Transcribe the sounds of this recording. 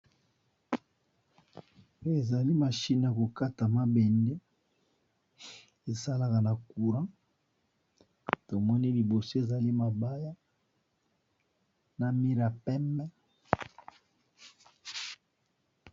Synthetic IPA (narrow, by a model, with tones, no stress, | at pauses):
e˨za˨li˦ma˨ʃi˦n˨a˨ko˨ka˦ta˨ma˦bɛ˨nde˦ | e˨sa˦la˨ka˨na˨ku˨ʁã˦ | to˨mɔ˦ni˦li˨bo˨so˦e˨za˨li˦ma˨ba˦ja˦ | na˨mi˦ɾa˨pɛ˦mɛ˦